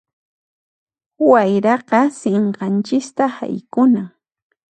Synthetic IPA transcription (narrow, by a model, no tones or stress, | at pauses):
wajɾɑqɑseɴqɑnt͡ʃɪst̪aha̰jkʊna